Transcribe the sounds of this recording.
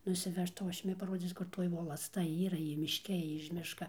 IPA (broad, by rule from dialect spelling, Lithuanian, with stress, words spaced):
nʊsʲɪˈʋʲæːʃtɐʊ ˈɐʃ ˈjʊmʲɪ pɐˈroːd͡zʲiːt͡s kʊr ˈtoːj ʋoːlˠɐsˈtɐ ˈiːrɐ ˈjɪ mʲɪʃʲˈkʲɛ ˈjɪ ɪʃ ˈmʲɪʃkɐ